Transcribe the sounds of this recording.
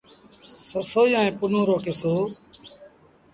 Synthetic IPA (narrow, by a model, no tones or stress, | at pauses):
sosoːjãːẽːpʊnõːɾoːkeːsoː